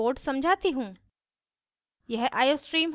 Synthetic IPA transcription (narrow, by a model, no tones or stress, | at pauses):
oːɾɖsɐ̃md͡ʑʱaːt̪iɦũː | jɐɦʔaːjoːsʈɾiːmɦ